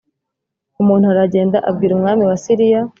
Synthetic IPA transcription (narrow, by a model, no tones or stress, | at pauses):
umuːnhuaɾaɟe̞ːndaʔabɡiːɾumŋaːmiwasiɾija